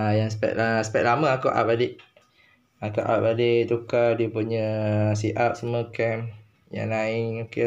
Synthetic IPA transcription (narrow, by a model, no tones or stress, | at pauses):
ajaŋsə̥pɛ̰t̪asə̥pɛʔ̪̚laməakoʔa̰p̚adeʔ | akaʔa̰p̚adet̪ukadəpuɲəs̬iʔap̚səməkɛm | ja̰ŋnaɪŋoke